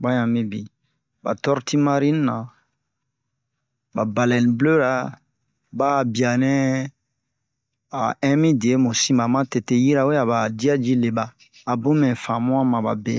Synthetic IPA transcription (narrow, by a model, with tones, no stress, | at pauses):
ba˦ɲã˨mĩ˦bi˨ | ba̰˨tɔ˦ɾti˦ma˦ɾi˦n˦nã˨ | ba˨ba˨lɛ˨nĩ˨blo˦ɾa˨ | ba˦˨bi˨a˨nɛ̃˦ | a˨ɛ̃˦mĩ˦di˨e˨˦mũ˨sĩ˦ma˨mã˦te˨te˨ji˦ɾa˨wo˦ja˨ba˨di˦a˦d͡ʒi˦le˨baː˦˨ | bũ˦mɛ̃˨fã˨mũ˦ã˦mã˨ba̰˨bḛ˨